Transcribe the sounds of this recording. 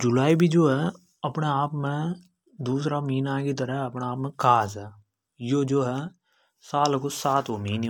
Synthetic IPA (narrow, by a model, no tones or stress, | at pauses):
d͡ʒʊlaːibʱid͡ʒoːɦɛː | ɐpneaːpmẽ | d̪uːsɾamiːnãːkit̪̬əɾəɦɛɐpnaaːpmẽkaːzɦɛː | joːd͡ʒoːɦɛː | saːlkosaːt̪ʰomiːn